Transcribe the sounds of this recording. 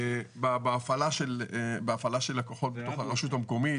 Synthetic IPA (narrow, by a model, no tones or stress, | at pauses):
babeːfalaʃelbeafalaʃelːakoχo̞t̚betoχaʁeʃutamko̞mi